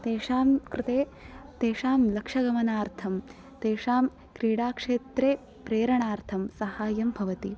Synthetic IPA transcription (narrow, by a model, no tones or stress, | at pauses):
t̪eːʂaːmkɾɪt̪eː | t̪eːʂaːmlɐkʂɐɡɐmɐnaːɾt̪ʰɐm | t̪eːʂaːm | kɾiːɽaːkʂeːt̪ɾeː | pɾeːɾɐɳaːɾt̪ʰɐmsɐhaːjɐmbʱɐʋɐt̪i